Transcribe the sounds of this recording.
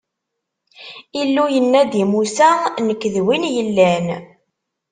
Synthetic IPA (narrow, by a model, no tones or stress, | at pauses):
ilːujənːæd̪imusænəkːðwinjəlːæn